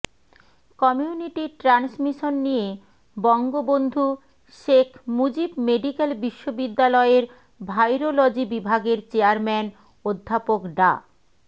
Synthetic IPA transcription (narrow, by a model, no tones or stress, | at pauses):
kɔmiuniʈiʈɾansmiʃonːije | bɔŋɡobond̪ʱu | ʃekʰmud͡ʑibmeɖikelbiʃːobid̪ːalɔeɾ | bʱajɾolɔd͡ʑibibʱaɡeɾt͡ɕeaɾmɛn | od̪ʱːapokɖa̰